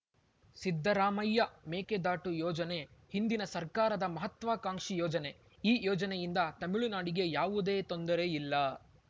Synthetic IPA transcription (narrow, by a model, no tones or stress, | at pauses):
sid̪ʱːɐɾaːmɐjːɐmeːked̪aːʈujɔːd͡ʒɐne̞hind̪inɐsɐɾkaːɾɐd̪ɐmɐɦɐt̪ʋaːkaːŋʂijɔːd͡ʒɐne̞ | iːjɔːd͡ʒɐnɛjind̪ɐt̪ɐmiɭunaːɽiɡe̞jaːʋud̪eːt̪ond̪ɐɾe̞ilːɐ